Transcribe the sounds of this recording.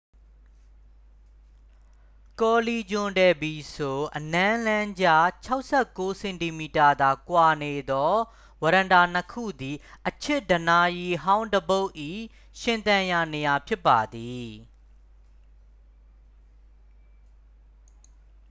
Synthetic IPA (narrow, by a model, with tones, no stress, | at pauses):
kɔ˨li˨d͡ʑʊ̃˨ndɛ˨bi˨so˨ʔənã˦lã˦ɲd͡ʑa˦˨t͡ɕʰa˦ʊʔsɛ˦˨kːo˨˦sɛ̃˨nti˨mi˨ta˨d̪a˨kwa˨ne˨d̪ɔ˦ | wə˨ɾã˨nda˨n̥əkʰṵ˦˨d̪i˨ʔət͡ɕʰɪ˦˨ʔdəna˨˦ji˦˨ɦã˦ʊ̃ndəbo˦ʊʔḭ˦˨ | ʃɪ̃˨nt̪ã˨ja˨ne˨ja˨pʰjɪ˦pːa˨d̪i˨